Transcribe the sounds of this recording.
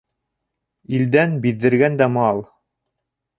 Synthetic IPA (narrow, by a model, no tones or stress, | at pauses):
ild̪ænbiðːɘ̆ɾɡænd̪æmɑlˠ